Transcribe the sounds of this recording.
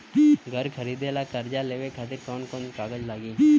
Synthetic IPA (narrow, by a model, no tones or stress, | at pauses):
ɡʱəɾkʰəɾiːd̪elakəɾd͡ʒaleːʋekʰaːt̪ɪɾkɔːnkɔːnkaːɡəd͡ʒlaːɡiː